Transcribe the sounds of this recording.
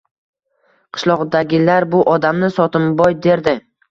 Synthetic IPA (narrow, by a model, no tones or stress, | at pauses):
qʰɨ̥ʃlˠɒʁd̪aɡʲɪlaɾbʊʔɒd̪amnɪsɒt̪ʰɪmbɒjd̪e̞ɾd̪ɪ